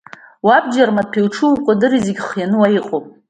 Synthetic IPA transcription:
wabd͡ʒarmapʲʰewʈ͡ʂʰɨwqʷʼadɨɾizeɡʲχjanɨwajiqʼopʼ

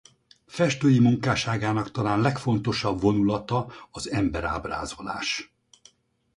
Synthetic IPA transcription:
fɛʃt̪øːjimuŋkaːʃaːɡaːnɒkt̪ɒlaːnlɛkfo̞n̪t̪o̞ʃɒbvo̞nulɒt̪ɒɒzɛmbɛɾa̰ːbra̰ːzo̞la̰ːʃ

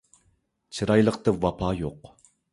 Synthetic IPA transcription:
t͡ʃʰɨɾɑjlˠəqt̪ɨvɑpʰɑːjoq

